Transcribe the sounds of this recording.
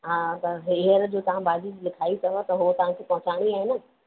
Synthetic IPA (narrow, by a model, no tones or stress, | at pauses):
ɦaːt̪ɐɦɪɦəɾd͡ʑoːt̪ɐʋ̤ãbaːd͡ʑislɪkʰaːit̪ʰɐɦot̪ɐɦʊot̪ɐʋ̤ãkʰepɐɦʊ̃t͡ɕaːɽ̃iaːɦɪnə̆